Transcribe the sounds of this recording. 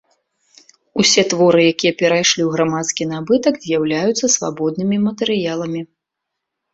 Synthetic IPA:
usʲɛt̪vɔɾɨjakʲijɛpʲɛɾajʂlʲiwɣɾamat̪skʲinabɨt̪ɐkzʲjawlʲajut̪sːɐsva̰bɔd̪̚nɨmʲimɐt̪ɛɾɨjalˠɐmʲi

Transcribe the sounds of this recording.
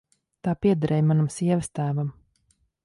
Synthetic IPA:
t̪aːpiɛd̪aɾɛːjmanamsiɛvəst̪æːvam

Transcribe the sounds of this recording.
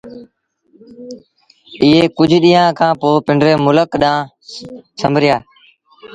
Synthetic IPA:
ɪːɦeːkʊd͡ʒʱɗiːãːkʰãːpoːpɪɳɖɾeːmʊləkɗãː | t͡ʃʰəmbʱɾɪjaː

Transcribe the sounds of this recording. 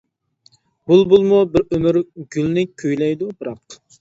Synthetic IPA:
bulˠbulˠmubɪɾømyɾɡʲylnɪkʲʰøjlɛjd̪ubɨɾɑq

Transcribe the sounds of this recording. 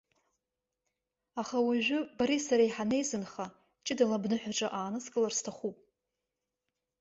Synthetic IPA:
aχawaʒᶣʷʊbaɾisaɾaiħane̞jzɨnχa | t͡ʃʼɪdalabnɨħʷᶣaʈ͡ʂʼaʔaːnɨskʼɨlarstʰaχupʼ

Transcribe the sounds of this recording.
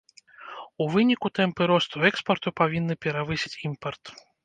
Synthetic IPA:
uvɨnʲikut̪ɛmpɨɾɔst̪uɛkspɐrt̪upavʲinːɨpʲɛɾavɨsʲi̥t͡sʲimpɐrt̪

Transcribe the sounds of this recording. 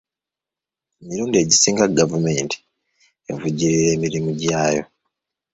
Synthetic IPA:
emiɾuːndie̞ɟisiːŋɡaɡavume̞ːntʰi̥ | evuɟiɾiɾe̞ːmiɾimuɟaːjo̞̰

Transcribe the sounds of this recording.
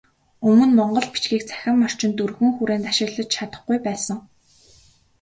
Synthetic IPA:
ɵmɵ̆nmɔɴɢɞ̆ɮpi̥t͡ɕɡiːk̚t͡sʰæ̥xʲɪ̆mːɔr̥t͡ɕɪ̆nt̪urɣɘ̆ŋxuɾeːnt̪aʃɪ̆ɮə̆t͡ɕt͡ɕʰat̪ə̆χɡujpæːsə̆ŋ

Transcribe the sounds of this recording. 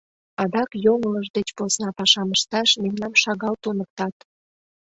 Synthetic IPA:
ɑd̪ɑkjoŋələʒd̪et͡ɕposnɑpɑʃɑməʃt̪ɑʃmemnɑmʃɑɣɑlt̪onək̚t̪ɑt̪

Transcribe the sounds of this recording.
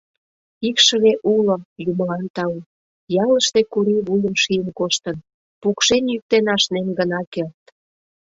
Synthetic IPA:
ikʃə̆βeʔulojumlɑnt̪ɑu | jɑləʃt̪ekuɾiβujəmʃijənkoʃt̪ən | pukʃenjyk̚t̪enɑʃnemɡənɑkert̪

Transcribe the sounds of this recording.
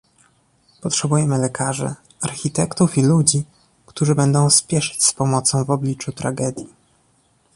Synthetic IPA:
pɔtʂɛbujɛmɘlɛkʰaʐɛ̰ | aɾxʲit̪ɛkt̪ufilud͡ʑi | kt̪uʐɘbɛnd̪ɔ̃w̃spʲjɛʂɘ̥t͡ɕspɔmɔt̪sɔ̃w̃vɔblʲit͡ʂut̪ɾa̰ɡɛd̪ʲji

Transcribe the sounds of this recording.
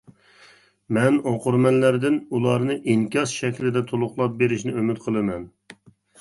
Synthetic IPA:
mɛnoqʊɾmɛnlæɾd̪ɪnulˠɑɾnɨʔiŋkʲɑsʃɛkʲlɪd̪ɛt̪ʰolˠʊχlˠɑp̚beɾɪʃnɪømyt̪qʰəlˠɨmɛn

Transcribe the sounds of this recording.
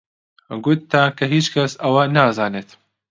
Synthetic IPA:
ɡʊt̪ːaːkʰɐɦiːt͡ʃkʰɐsɐwɐnaːzaːneːt̪

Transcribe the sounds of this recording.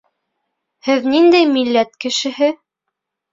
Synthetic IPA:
hɘðnind̪æjmilːæt̪kɘ̆ʃɘ̆hɘ

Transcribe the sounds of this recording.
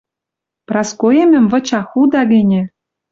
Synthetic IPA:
prɑskoemɘ̆mvɤ̆t͡ɕɑxud̪ɑɣĕnʲĕ

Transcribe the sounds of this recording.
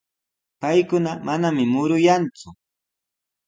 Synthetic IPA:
pajkʊnamanamɪmʊɾʊjant͡sʊ

